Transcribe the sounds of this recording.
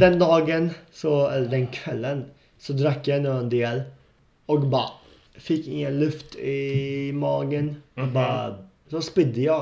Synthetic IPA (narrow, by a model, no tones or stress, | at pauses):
d̪ɛnd̪ɑːɡənsɔɛlːəɖɛnkʰvɛlːən | sɔd̪ɾakːjaɪnuːənd̪eːl | ɔkbɑ̰ː | fɪkːɪŋːənlɵft̪ɪmɑːɡənɔbɑː | sɔspɪd̪əjɑ